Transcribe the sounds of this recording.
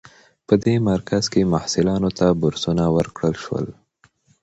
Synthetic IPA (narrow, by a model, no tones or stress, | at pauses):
pəd̪emaɾkʰaz̥kemahsɪlɑnot̪abʊɾsunawəɾkɽəlʃwə̰l